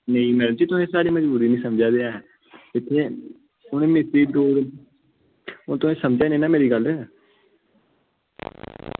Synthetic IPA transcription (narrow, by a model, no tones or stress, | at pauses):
nəĩːmɛːɾəd͡ʒiːt̪ʊsẽːsaːɽiːməd͡ʒbuːɾiːnĩːsəmd͡ʒaːd̪eːaːɦɛː | ɪt̪ʰːeː | ʊnẽːmɪsɾiːd̪oːɾ | oːt̪ʊẽːsəmd͡ʒaːnĩːnaːmeːɾiːɡəld̪eː